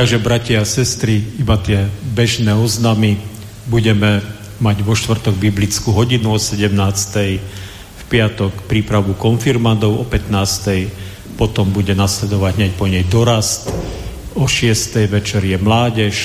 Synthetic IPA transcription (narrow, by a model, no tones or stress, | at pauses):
t̪aɡʒɛbɾaciasɛst̪ɾiibat̪ɪɛbɛʒnɛːɔznami | buɟɛmɛ | maɟʋɔʃt̪ʋr̩t̪ɔɡ̚biblit͡skuɦɔɟinuɔsɛɟɛmnaːst̪ɛj | fpɪat̪ɔkpɾiːpɾaʋukɔnfiɾmand̪ɔʊɔpɛt̪naːst̪ɛj | pɔt̪ɔmbuɟɛnaːslɛd̪ɔʋaɟɦɲac̚pɔɲɛjd̪ɔɾast̪ | ɔʃɪɛst̪ɛjʋɛt͡ʃɛɾjɛmlaːɟɛʃ